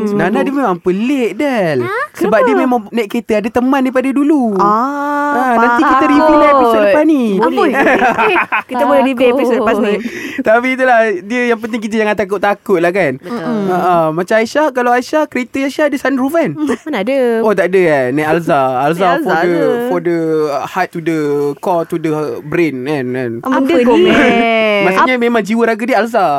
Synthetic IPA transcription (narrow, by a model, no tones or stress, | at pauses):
sənanadiəmemaŋpəleʔdɛlsəbap̚diəmemãŋnaʔkːɾet̪əadət̪əmãndaipadadulu | anãnt̪ikit̪əɾibilaepispani | kiəboleɾibepisəpasit̪apiːt̪̬ulahdiəjaŋpənt̪̬ɪŋk̬it̪̬əd͡ʒaŋant̪ak̬ʊʔ̪t̪akʊt̪̚lahkanbəəʔəmat͡ʃamajʃakalawajʃakəɾet̪əajʃadəsanɾuvɛnnadəot̪aʔdəkanːãalzaalzafɔdəfɔdəhat̪̚ːudəkɔt̪udəbɾenkana̰nədə | masɲəmẽmãŋd͡ʒiwəɾaɡadiəalza